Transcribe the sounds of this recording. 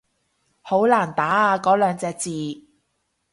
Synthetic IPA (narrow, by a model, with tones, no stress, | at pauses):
ho˨˥wlaː˨˩nt̪aː˨˥aː˨˧kɔː˨˥lœː˨˧ŋt͡sɛː˧k̚t͡siː˨˧